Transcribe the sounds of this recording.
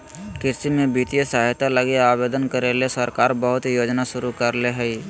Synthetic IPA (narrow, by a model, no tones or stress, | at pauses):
kɪɾsimẽbiːt̪ijəsaɦjt̪aləɡeaːbeːd̪ənkəɾelesəɾkaːɾbəɦʊt̪joːd͡ʒnaʃʊɾukəɾleɦɛi